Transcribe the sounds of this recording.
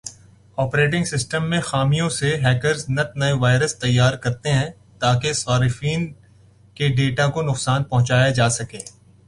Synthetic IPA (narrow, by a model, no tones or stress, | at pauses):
ɔːpɾeːʈ̬ɪ̃ŋɡsɪsʈəmːẽxaːmijõseɦɛːkəɾznɐt̪̚nɐeʋaːɪɾəst̪ɐjːaːɾkɐɾt̪eɦɛ̃ | t̪aːkesaːɾɪfiːn | keɖeːʈakonʊqsaːnpɐɦʊ̃t͡ʃaːjad͡ʒaːsɐkẽː